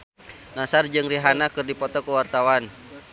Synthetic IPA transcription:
nasard͡ʒɨŋriɦanakɨrdipɔt̪ɔkuwart̪awan

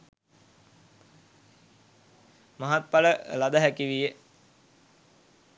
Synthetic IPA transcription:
maɦat̪̚paləlad̪əɦækiʋije

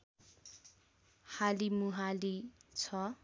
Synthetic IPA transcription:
halimuɦalit͡sʰʌ

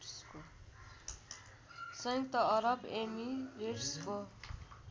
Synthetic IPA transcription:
sko | sʌjk̚t̪ʌʌɾʌbemiɾersko

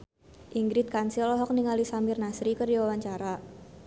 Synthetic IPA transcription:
ʔiŋɡɾɪt̪̚kansilɔɦɔk̚niŋalisambirnasɾikərdiwawaɲt͡ʃaɾa

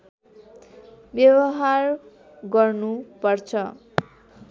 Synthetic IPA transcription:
bjʌwʌɦar | ɡʌrnupʌrt͡sʰʌ

